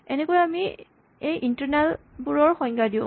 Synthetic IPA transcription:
ɛnekɔjami | ejʔintɔɹnal | buɹɔɹxɔɲɡadiʊ̃

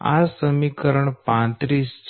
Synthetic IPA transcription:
a̰d͡zsəmikəɾəɳpãt̪ɾiːst͡ɕ

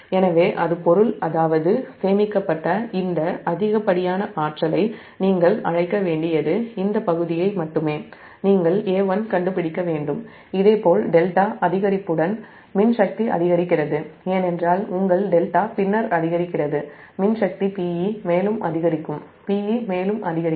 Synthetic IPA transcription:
ɛnɐʋeːʔɐðɯpɔɾɯlɐðaːʋɐðɯseːmɪkːɐpːɐʈːɐɪnd̪ɐɐðɪɣɐpːɐɽɪjaːnɐʔaːʈrɐlɐɪ | niːŋɡɐɭɐɻɐɪkːɐʋeːɳɖɪjɐðɯɪnd̪ɐpɐɣɯðɪjɐɪmɐʈːɯmeː | niːŋɡɐɭeːʋɐnkɐɳɖɯpɪɽɪkːɐʋeːɳɖɯm | ɪðeːpoːlɖɛlʈaːʔɐðɪɣɐɾɪpːɯɽɐn | mɪnʂɐk̚t̪iʔɐ̰ðɪɣɐɾɪkːɪrɐðɯeːnɛndraːlʊŋɡɐɭɖɛlʈaːpɪnːɐɾɐðɪɣɐɾɪkːɪrɐðɯ | mɪnʂɐk̚t̪ipiːjimeːlɯmʔɐ̰ðɪɣɐɾɪkːɯm | piːjimeːlɯmʔɐðɪɣɐɾɪ

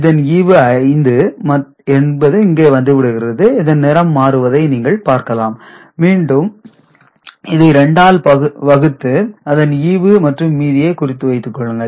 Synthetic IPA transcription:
ɪðɐniːʋɯɐɪnd̪ɯmɐ | ɛnbɐðɯɪŋɡeːʋɐnd̪ɯʋɪɽɯɣɪɾɐðɯɪðɐnnɛɾɐmːaːɾɯʋɐðɐɪniːŋɡɐɭpaːɾkɐlaːm | miːɳɖɯm | ɪðɐɪɾɛɳɖaːlpɐɯʋɐɣɯt̪ːɯɐðɐniːʋɯmɐʈrɯmːiːðɪjeːkʊrɪt̪ːɯʋɐɪt̪ːɯkːɔɭːɯŋɡɐɭ

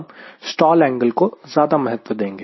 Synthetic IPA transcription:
bsʈɔːlɛ̃ːŋɡəlkozjaːd̪amɛɦət̪ʋəd̪ẽːŋɡeː

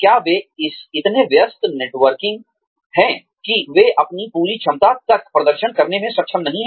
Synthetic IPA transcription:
kjaːʋeɪsɪt̪neʋjəst̪neːʈʋəɾkɪ̃ŋɡ̚ | ɦɛ̃ | kiʋeʔɐpnipuːɾit͡ʃʰɐmt̪at̪ɐk̚pɾɐd̪əɾʃənkɐɾnemẽsɐkːʃʰəmnɐɦĩɦ

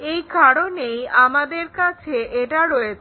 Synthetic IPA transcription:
ejkʰaɽonejamad̪eɾkat͡ɕʰeʔeʈaɾɔet͡ɕʰ

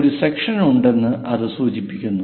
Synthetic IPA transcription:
ɾusekʂɐnuɳɖe̞nːɨʔɐðɨsuːt͡ɕipːikʲːunːu

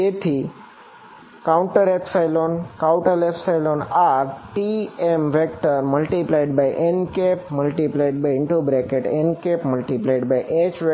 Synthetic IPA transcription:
et̪ʰi | kaʊ̃ɳʈəɾepsajlonkaʊ̃ʈəlepsajlonaɾʈiemʋek̚ʈəɾməlʈiplaiɖbajʔenkepməlʈiplaiɖ̚bajɪɳʈubɾekeʈenkepməlʈiplaiɖbajʔet͡ɕʋe

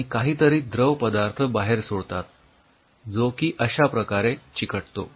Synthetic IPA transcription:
ikaɦiːt̪əɾiːd̪ɾəʋpəd̪aɾt̪ʰəbaɦeɾsoɽt̪at̪ | d͡zokiːʔəɕapɾəkaɾet͡ɕikəʈt̪o̰

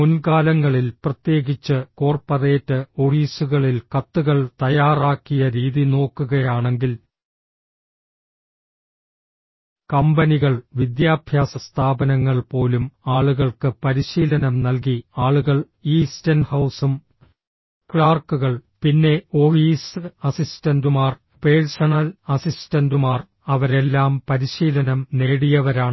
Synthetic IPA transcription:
munkaːlɐŋːɐɭilprɐt̪je̞ːɣit͡ɕːɨko̞ːrpɐre̞ːtːɨo̞fiːsuɣɐɭilkɐt̪ːuɣɐɭt̪ɐjaːraːkːijɐɾiːðino̞ːkːuɣɐjaːɳe̞ŋɡil | kɐmbɐniɣɐɭʋid̪jaːbʱjaːsɐst̪ʰaːbɐnɐŋːɐɭpo̞ːlumaːɭuɣɐɭkɨpɐɾiɕiːlɐnɐmnɐlk̬iaːɭuɣɐɭ | iːstɐnhɐwsum | kɭaːrkːuɣɐɭpinːe̞o̞fiːsɐsistɐndumaːr | peːɻsɐɳɐlɐsistɐndumaːr | ɐʋɐɾe̞lːaːmpɐɾiɕiːlɐnɐmne̞ːɽijɐʋɐɾaːɳɨ

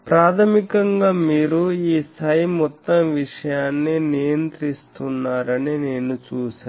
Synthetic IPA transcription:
pɾaːt̪ʰɐmikɐŋɡaːmiːɾuiːst̪ʰaːjimɔt̪ːɐmʋiʂɐjaːnːinijɐnt̪ɾist̪unːaːɾɐnine̞ːnut͡ʃuːʃaː

